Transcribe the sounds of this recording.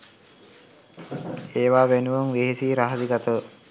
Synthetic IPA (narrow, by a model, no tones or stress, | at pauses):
eːʋaːʋenuʋəŋʋeɦesiːɾaɦad̪iɡat̪əʋə